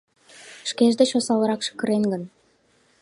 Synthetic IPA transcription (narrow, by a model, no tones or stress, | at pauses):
ʃkeʒd̪eʃosɑlɤɾɑkʃə̥kə̆ɾeŋɡɘ̆n